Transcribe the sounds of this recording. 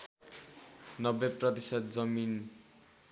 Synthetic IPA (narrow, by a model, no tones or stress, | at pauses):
nʌbeprʌt̪isʌt̪̚d͡zʌmin